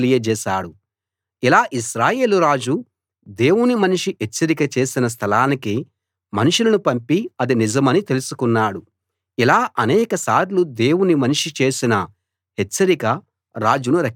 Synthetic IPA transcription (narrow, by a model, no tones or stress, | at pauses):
lijɐd͡ʒɛːʃaːɽu | ilaːʔiʃɾaːje̞ːluɾaːd͡ʒu | d̪e̞ːwunimɐniʂiet͡ʃːɐɾikɐt͡ʃe̞ːsinɐs̬t̪ʰɐlaːniki | mɐnuʂulɐnupɐmpiɐd̪inid͡ʒɐmɐnit̪e̞lusukunːaːɽu | ilaːʔɐnɛːkɐsaːɾlud̪eːwunimɐniʂit͡ʃe̞ːsinɐ | ɦet͡ʃːɐɾikɐ | ɾaːd͡ʒunuɾɐk